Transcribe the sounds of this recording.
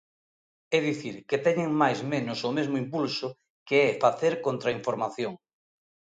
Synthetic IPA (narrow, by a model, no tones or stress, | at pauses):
ɛðiθiɾket̪ɛɲeŋmajzmenʊsʊmezmʊimpulsʊ | keɛfaθeɾkont̪ɾaiɱfoɾmaθjoŋ